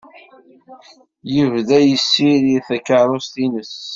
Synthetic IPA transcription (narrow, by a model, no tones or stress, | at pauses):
jəvðæjəsːiɾiθækːəɾˤost̪inəs